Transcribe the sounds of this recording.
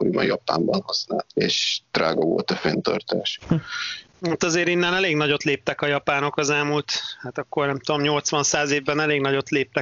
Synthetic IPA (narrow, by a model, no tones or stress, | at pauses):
oɾḭbɒ̰njɒpa̰ːmbɒnhɒsna̰ːlt̪eːʃd̪̥raːɡɒvo̞̰lt̪ɒfent̪ø̰rt̪ḛːʃ | at̪ɒzeːɾinːɛnɛleːɡnɒɟo̞t̪leːp̚t̪ɛkɒjɒpaːno̞kɒzɛlmuːlt̪haːt̪ɒkːo̞rnɛmt̪ud̪o̞mɲo̞lt̪sʋɒnsaːzeːvːɛnɛleːɡnɒɟo̞t̪leːp̚t̪ɛ